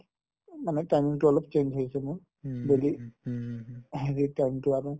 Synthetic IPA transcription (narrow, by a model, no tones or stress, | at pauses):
manɛtajmiŋtʊɔlɔpt͡ʃend͡ʒɦojsɛmʊɹ | beli | ezitajmtʊaɹʊ̃